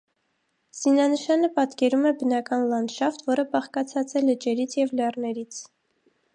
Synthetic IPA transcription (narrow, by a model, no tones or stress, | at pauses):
z̥inɑnəʃɑnəpɑt̪kɛɾumɛbənɑkɑnlɑnd̪ʃɑft̪vɔɾəbɑχkɑt͡sʰɑt͡sɛlət͡ʃɛɾit͡sʰjɛvlɛrnɛɾit͡sʰ